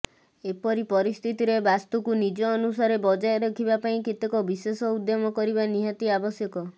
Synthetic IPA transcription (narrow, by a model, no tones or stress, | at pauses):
epɔɾipɔɾist̪ʰit̪iɾebast̪ukunid͡ʒɔːnusaɾebɔd͡ʒajɾɔkʰibapaĩket̪ekɔbisesɔud̪jɔmɔkɔɾibaniɦat̪iabɔsjɔkɔ